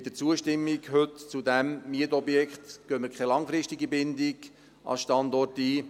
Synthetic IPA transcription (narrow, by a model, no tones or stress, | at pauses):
dət͡suəʃtɪmːiɡhøt̪t͡sud̪æmːiətɔbjɛkχt̪ɡ̥øːməkχɛlɑŋfɾɪʃtiɡibɪnd̪ɪɡ | ʔɑ̰sʃtɑnd̪ɔrtiː